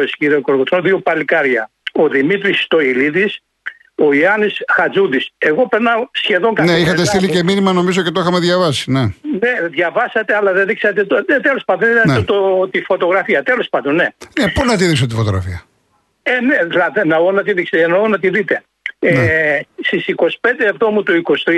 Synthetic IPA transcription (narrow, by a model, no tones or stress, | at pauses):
sciɾioko̞ɾɣot̪onðio̞pɐlikɐɾʝɐ | o̞ðimit̪ɾist̪o̞iliðis | o̞iɐnisxɐzud̪ise̞ɣo̞pe̞ɾnɐsçe̞ðo̞ŋkɐneixɐt̪est̪iliceminimɐno̞mizo̞cet̪oixɐmeðʝɐvɐsi̥neneðʝɐvɐsɐt̪eɐlɐðeðiksɐt̪et̪onet̪elo̞spɐd̪oðenit̪ɐot̪ot̪ifo̞t̪o̞ɣɾɐfiɐt̪e̞lo̞spɐnd̪o̞nnenepunɐt̪̬iðiks̬ot̪ifot̪oɣɾɐ̰fiɐ | eneðilɐðenɐonɐt̪iðikseenɐonɐt̪iðit̪e̞ | est̪isiko̞si̥pe̞nd̪eːvt̪o̞mut̪uikost̪ɾi